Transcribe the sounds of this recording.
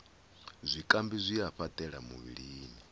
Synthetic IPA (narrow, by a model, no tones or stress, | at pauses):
zʷikʼambizʷiaɸat̪ʼɛɺamṵβḭɺiːni